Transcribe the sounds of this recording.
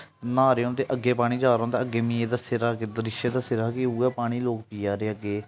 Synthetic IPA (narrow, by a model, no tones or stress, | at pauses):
nãːɾeːõːnt̪eːʔəɡːeːpaːɽ̃iːd͡ʒaːɾõːnd̪aːəɡːeːmĩːeːd̪aːsɪɾaːked̪əɾɪʃeːd̪aːsɪɾaːkeuːɛːpaːɽ̃iːloːkpiːaːɾeːəɡeː